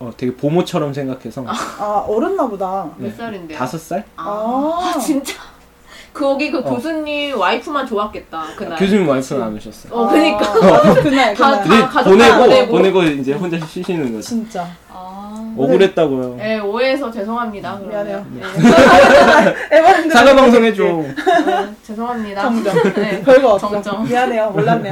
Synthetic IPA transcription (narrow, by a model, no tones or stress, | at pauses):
ʌte̞ɡe̞pomot͡ɕʰʌɾʌmsʰe̞ŋɡakʰe̞sʰʌaaʌɾɯnːabodajes͈aɾindeasʰʌs͈aɭa | t͡ɕint͡ɕ͈a | kɯʌɡikɯkosʰunːimwaipʰɯmant͡ɕoak͈e̞t̚t͈akɯnakjod͡ʑimwaipʰɯnanɯɕʰʌs͈ʌ̰jʌkɯɲik͈aɯkaiaoneɡoeɡponeɡʌind͡ʑe̞ɸond͡ʑaɕ̬ʰiɕ͈ʰiɕʰinɯnɡʌd͡ʑint͡ɕ͈a | a | ʌɡɡɯɾɦe̞t̚t͈aɡojoje̞oɾes̬ʰʌt͡ɕe̞sʰoŋɦamɲidae | easʰaɡabaŋs̬ʰoŋet͡ɕom | t͡ɕesʰoŋɦamɲida | ɡt͡ɕʌŋʌŋaeoːa